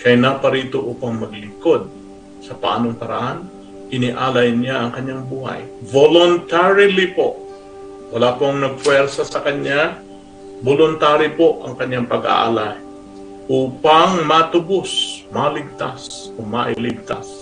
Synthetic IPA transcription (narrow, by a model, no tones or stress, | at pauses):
kɐjnapɐɾiːt̪o̞ʔuːpɐŋmɐɡlɪŋko̞d̪̚ | sɐpɐʔa̰ːnoŋpɐɾa̰han | ʔɪnɪʔaːlajnjaʔɐŋkɐɲjaŋbuːɦa̰jvolont̪aɹɪlɪpo̰ʔ | wɐlaːpoɐŋnɐɡ̚pwɛɾsasɐkɐɲa | bolʊnt̪aːɾɪpoʔɐŋkɐɲːaŋpɐɡa̰ʔa̰laj | ʔuːpaŋmɐt̪ʊbosmɐlɪɡ̚t̪as | ʔomɐʔɪlɪɡ̚t̪as